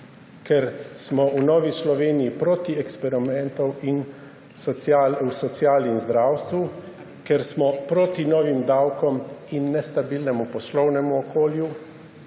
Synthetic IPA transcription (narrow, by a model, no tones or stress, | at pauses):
kɛɾsmɔunɔːʋislɔʋeːnijipɾoːt̪iɛkspɛɾimɛnt̪ɔwin | sɔalusɔt̪siaːlnimzd̪ɾaːwst̪ʋu | kɛɾsmɔpɾoːt̪inɔːʋimd̪awkɔminːɛst̪abilnɛmupɔslɔwnɛmuɔkoːlju